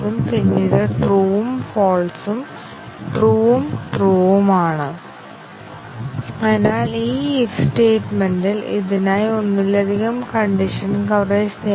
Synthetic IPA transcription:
umpinːiːðɨʈruːumfoːlsum | ʈruːumʈruːʋumaːɳɨ | kanaːliːifsʈeːʈmendilḭðinaːjonːilːɐd̪ʱiɣɐmkɐɳɖiʂɐnkɐʋresne

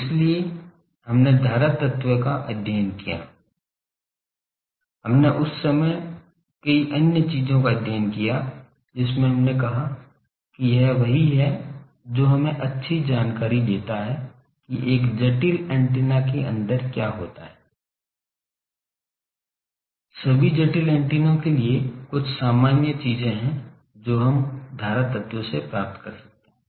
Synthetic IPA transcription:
ɪslie | ɦɐmned̪ʱaːɾət̪ət̪wəkaʔəd̪ʱjaːnkija̰ː | ɦɐmneʔʊsːɐməj | kɐiʔənjət͡ʃiːzõkad̪ʱjaːnkija | d͡ʒɪsmẽɦɐmnekɐɦa | kijɐɦʋɐɦiɦɛ | d͡ʒoːɦɐmẽʔɐtːʃʰid͡ʒaːnkaːɾid̪eːt̪aɦɛ | kiʔeːkd͡ʒɐʈilɛ̃ːɳʈiːnakeʔɐ̰̃nd̪əɾkjaːɦoːt̪aɦɛː | sɐbʱid͡ʒɐʈilɛ̃ːɳʈiːnõkeliekʊt͡ʃʰsaːmaːnjət͡ʃiːzẽɦɛ̃ | d͡ʒoːɦɐmd̪ʱaːɾat̪ət̪jõsepɾaːp̚t̪kɐɾsɐ̥k̚t̪eɦɛ̃

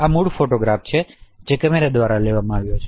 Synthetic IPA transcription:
amuɽfoʈoɡɾaft͡ʃʰed͡ʒekəmeɾad̪ʋaɾaleʋamãaʋjot͡ʃʰe̥

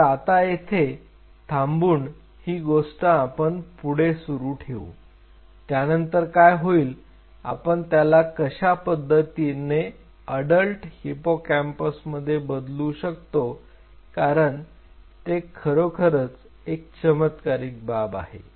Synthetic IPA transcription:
ɾat̪ajet̪ʰe | t̪ʰambuːɳ | hiːɡoʂʈãːpəɳpuɽ̤esuɾuːʈʰeṵ | t̪janənt̪əɾkajɦoiːl | a̰pəɳt̪jalakəɕapəd̪ʱːət̪ine | əɽəlʈhipokæmpəsməd̪ʱːjebəd̪luɕək̚t̪o | kaɾəɳ | t̪ekʰəɾokʰəɾət͡s | ek̚t͡ɕəmət̪kaɾiːk̚baba̰ɦḛ

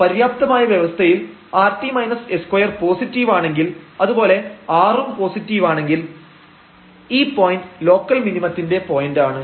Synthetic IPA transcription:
pɐɾjaːp̚t̪ɐmaːjɐʋjeʋɐst̪ʰɐjil | aːrtimɐjnɐseskwɐjɐrpo̞ːsitːiʋaːɳe̞ŋɡilɐðubo̞ːle̞aːrumpo̞ːsitːiːʋaːɳe̞ŋɡil | iːpːoːjindlo̞ːkːɐlminimɐt̪ːinde̞po̞ːjindaːɳɨ

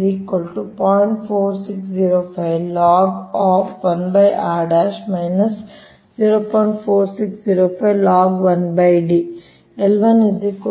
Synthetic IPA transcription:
iːkɐlʈupɔːiɳʈpʰoːɾsiksd͡ʒiːɾoːfʰɐjʋlaːɡɔːfʋɐnbɐjʔaːɖaʃmɐjnɐs | ziːɾoːpɔːjɳʈpʰoːɾsiksziːɾoːpʰɐjʋlaːɡʋɐnbɐjɖi | ɛlʋɐnizik

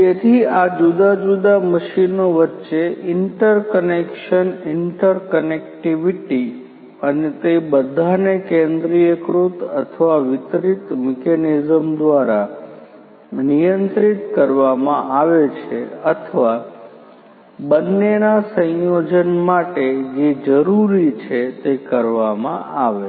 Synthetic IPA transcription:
t̪et̪ʰiad͡ʒud̪ad͡ʒud̪aməʃinoʋətːʃeʔɪɳʈəɾkənekʃənɪɳʈəɾkənek̚ʈiʋiʈi | ənet̪ebəd̪ʱanekẽnd̪ɾijəkɾut̪ət̪ʰəʋaʋɪt̪ɾit̪mɛkenizəmd̪ʋaɾa | nijənt̪ɾit̪kəɾʋamãʔaʋet͡ʃʰeət̪ʰəʋa | bənːenasə̃jod͡ʒənmaʈed͡ʒed͡ʒəɾuɾit͡ʃʰet̪ekəɾʋamã̰aʋe

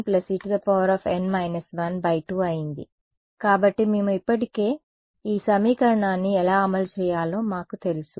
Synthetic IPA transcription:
plɐsiːʈd̪ɐpɐʋɐɾɐːfʰenmɐjnɐsʋɐnbɐjʈuːɐjind̪ḭ | kaːbɐʈːimeːmuipːɐʈike̞ː | iːsɐmiːkɐɾɐɳaːnːiɛlaːɐmɐlt͡ʃɛːjaːlo̞ːmaːkut̪e̞lisu

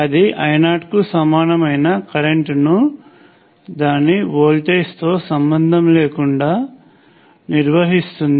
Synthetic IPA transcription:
ɐd̪iʔɐjnaːʈkusɐmaːnɐmɐjnɐkɐɾeɳʈnu | d̪aːnːiʋoːlʈeːst̪o̞ːsɐmbɐnd̪ʱɐmleːkuɳɖaː | niɾʋɐɦist̪und̪i

